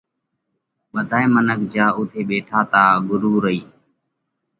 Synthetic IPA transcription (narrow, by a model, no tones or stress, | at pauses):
ɓəd̪ʱaːeːmənəkʰd͡ʒaːʊt̪ʰeːɓeːʈʰaːt̪aːɡʊɾuːɾəiː